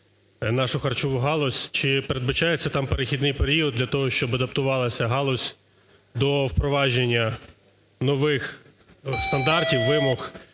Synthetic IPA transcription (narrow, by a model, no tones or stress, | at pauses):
nɑʃʊxɐrt͡ʃɔʋʊɦɑlˠɔsʲt͡ʃɪpeɾe̞d̪̚bɐt͡ʃɑjet͡sʲːɐt̪ɑmpeɾexʲid̪nɪjpeɾʲiɔd̪ʲlʲɐt̪ɔɦɔʃt͡ʃɔbɐd̪ɐpt̪ʊʋɑlˠɐsʲɐɦɑlˠɔsʲ | d̪ɔwpɾɔʋɑʒenʲːɐ | nɔʋɪx | st̪ɐnd̪ɑrtʲiwːɪmɔx